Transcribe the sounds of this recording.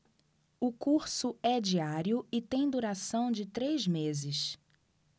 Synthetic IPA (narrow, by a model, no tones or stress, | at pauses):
ʊkuɾsʊɛd͡ʒiaɾiʊɪt̪ẽj̃d̪uɾasɐ̃w̃d͡ʒɪt̪ɾezmezɪs